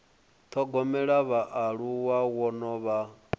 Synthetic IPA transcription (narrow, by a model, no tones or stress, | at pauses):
t̪ʰɔɡɔmɛɺaβaʔaɺuwawɔnɔβa